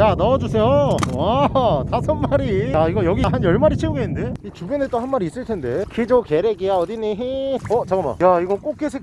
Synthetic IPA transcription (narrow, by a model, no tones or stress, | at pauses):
janʌʌd͡ʑusʰe̞jowatasʰʌnmaɾijaiɡʌjʌɡiɦanjʌɭmaɾit͡ɕʰeuɡenɯnde̞it͡ɕubjenet͈ohanmaɾis͈ɯɭtʰe̞nde̞kʰid͡ʑokeɾeɡijaʌdiniɦiʌt͡ɕaɡama̰jaiɡʌk͈ok̚k͈esʰe